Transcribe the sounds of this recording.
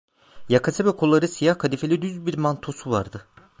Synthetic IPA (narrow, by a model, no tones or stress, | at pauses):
jakʰasebɛkʰolˠːaɾɯsijahkʰad̪ifelʲid̪yzbiɾmant̪ʰo̞suvaɾd̪ɯ